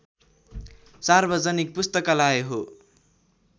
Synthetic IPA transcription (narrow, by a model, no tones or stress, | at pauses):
sarbʌd͡zʌnik̚pust̪ʌkalaeɦo